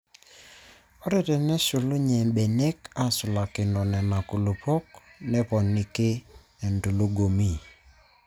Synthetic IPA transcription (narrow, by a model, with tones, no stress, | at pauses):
o˦ɾe˨tɛ˨nɛ˦ʃʊ˨lo˦ɲɛ˨be˨ne˦ka˦sʊ˨la˨kɪ˨nɔ˨nɛ˨na˨ku˨lo˨pɔ˦knɛ˦pɔ˨nɪ˨ke˦ | ɛ˨nto˨lo˦ɡo˨mi˦